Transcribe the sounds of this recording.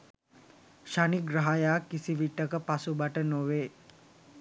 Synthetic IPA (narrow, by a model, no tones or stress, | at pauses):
ʃaniɡraɦajaːkːisiʋiʈːəkəpasubaʈənoʋeː